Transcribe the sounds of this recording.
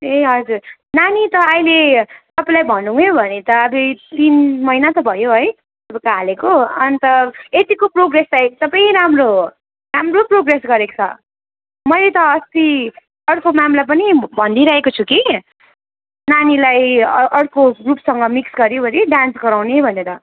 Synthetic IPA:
eʌd͡zur | nanit̪ʌʌjlet̪ʌpãlajbʱʌnːuɦũjobʱʌnet̪ʌːbit̪inmʌijnat̪ʌbʱʌjoɦʌj | ʌpakaɦalekoʌnt̪ʌet̪ikoproɡreslajt̪ʌpaĩɾamro | ramroproɡresɡʌɾe̥t͡sʰʌ̰ | mʌjlet̪ʌʌst̪i | ʌɽkomamlap̬ʌnibʱʌnd̪iɾʌɦekot͡sʰuki | nanilajʌʌɽkoɡrupsʌŋɡʌmiksɡʌɾjobʱʌneɖansɡʌɾawnebʱʌneɾʌ

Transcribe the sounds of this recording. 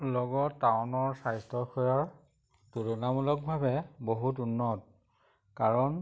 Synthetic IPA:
lɔɡɔtːawʊnɔɹsajstɔxɔjɔɹ | tuɹɔnamulɔk̚bʱabɛboɦutunːɔt̚ | kaɹɔn

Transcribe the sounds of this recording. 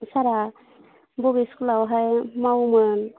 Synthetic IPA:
saɾa | bɔbisklawɦajmawmɯn

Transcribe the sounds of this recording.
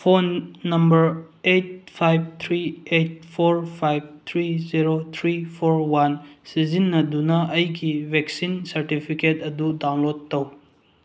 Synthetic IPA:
pʰonːɐmbɐɾ | et̚pʰajb̚t̪ʰɾiet̚pʰoɾpʰajb̚t̪ʰɾiziɾot̪ʰɾipʰoɾwansizinːɐdunɐʔɐjɡibʱek̚sinsɐɾtipʰiketɐdudawnlodtːɐw

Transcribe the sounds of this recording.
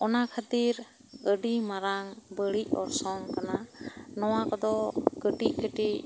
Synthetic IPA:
ɔnakʰat̪iɾ | əɖimaɾaŋbəɭiʔ̚ɔ̰ɾsɔŋkananɔwakɔd̪ɔɡəʈiʔ̚ɡəʈiʔ

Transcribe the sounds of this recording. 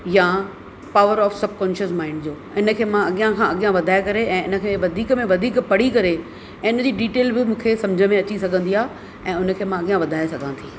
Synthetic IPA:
jã | paːʋəɾɔːfsɐb̚ʱkɔ̃ːnʃəsmãːɪ̃ɳɖd͡ʑoː | ɪnə̆kʰeːmãɐɠijãkʰãːɐɠijãʋɐd̪ʱaːekɐɾeɛ̃ːɪnə̆kʰeʋɐd̪ʱiːkmẽʋɐd̪ʱiːkpɐɽ̤ikɐɾe | ɛ̃ːʊnəd͡ʑiːɖiːʈeːlbɪmũːkʰesɐ̃md͡ʑʱəmẽɐt͡ɕisɐɡʱə̃nd̪ijaː | ɛ̃ːʊnə̆kʰeːmãɐɠijãʋɐd̪ʱaːesɐɡʱãːt̪ʰiː

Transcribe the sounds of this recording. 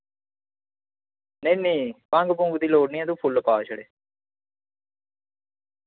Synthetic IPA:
neniːpãŋɡbʊ̃ŋɡd̪iːloːɖnĩːãt̪uːpʰʊlpaːʃəɽeː

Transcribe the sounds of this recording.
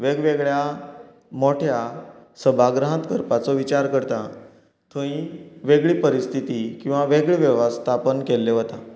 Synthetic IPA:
ʋeɡʋeɡɭja | moʈʰjasəbʱaɡɾəɦə̃t̪kəɾpat͡sɔʋit͡ɕaɾkəɾt̪a | t̪ʰəĩʋeɡɭiːpəɾist̪ʰit̪ikĩw̃ʋaʋeɡɭiʋɛʋəst̪ʰapənkelːeɦət̪a

